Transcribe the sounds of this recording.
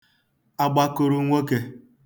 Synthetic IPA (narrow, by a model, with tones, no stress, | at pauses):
a˦ɡ͡ba˦ko˦ɾu˦ŋʷe˦ke˦